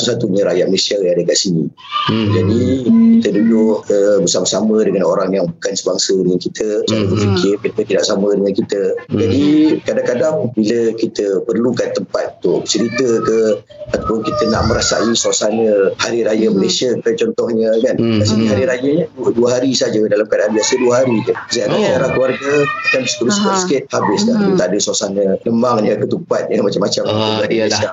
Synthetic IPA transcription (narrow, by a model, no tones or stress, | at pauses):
t̪usat̪uɲə̃ɾajat̪̚məlesiajadəkaʔsini | d͡ʒadikit̪ədudʊʔəbəsamasamədəŋanoɾaŋjaŋbukansəbaŋsənikit̪ʰət͡ʃaɾəbərfikʰɪrket̪ət̪idaʔsamədəŋankit̪əd͡ʒadikadakadaŋbiləkit̪əpərlukant̪əmpat̪̚ut̪ʊʔt͡ʃəɾit̪əkə | at̪apʊnkit̪əna̰ʔməɾasa̰isasanəhaɾiɾajəməlasəkət̪at͡ʃɔnt̪ɔhɲəkanmasinɦaɾiɾajəɲəduduəɦaɾisad͡ʒədalamkadabiasəduəɦaɾikəsiaɾasaaɾahkəluarɡəakanbəsə̥kuɾʊsəkɔsə̥kɪt̪̚habɪskahit̪aʔdəsasanələmaŋɲəkət̪umpat̪̚jəmat͡ʃamːat͡ʃamubadiəasa